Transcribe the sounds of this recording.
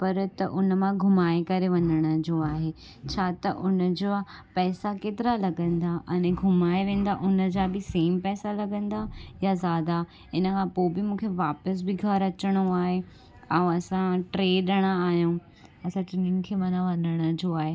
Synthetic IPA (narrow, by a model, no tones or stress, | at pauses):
pɐɾt̪ɐʔʊnəmãɡʱʊmaːekɐɾeʋɐɲəɽ̃ə̆d͡ʑoaːɦeː | t͡ɕʰaːt̪ɐʔʊnəd͡ʑopɛːsakeːt̪ɪɾalɐɡə̃nd̪aʔɐẽɡʱʊmaːeʋẽːn̆d̪aʔʊnə̆d͡ʑaːbɪseːmpɛːsalɐɡə̃nd̪ajazjaːd̪a | ɪnəkʰãpoːbɪmũːkʰeʋaːpəs̬bɪɡʱɐɾɐt͡ɕəɽ̃oaːɦe | ãɐsãʈɾeːɗɐɽ̃aːɦijũ | ɐsãʈɾenɪnkʰeːʋãnãʋɐɲəɽ̃ə̆d͡ʑoaːɦeː